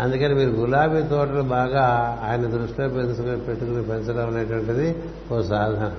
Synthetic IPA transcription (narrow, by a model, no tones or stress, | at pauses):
ɐnd̪ukɐnemiːɾuɡulaːʋiːt̪ɔːʈɐlɐbaːɡaːaːjɐnɐd̪ɾuʂʈiloːpensɐkpeʈːukunepensɐloːunɐʈʋɐɳʈɐd̪i | okɐsaːd̪ʱɐm